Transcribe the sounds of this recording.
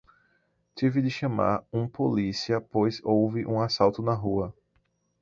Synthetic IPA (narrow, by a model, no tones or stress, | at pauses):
t͡ʃivɪd̪ɪʃɐ̃ma̰ɾũpolisiɐpojzowvɪʔũasawt̪ʊnɐɦuɐ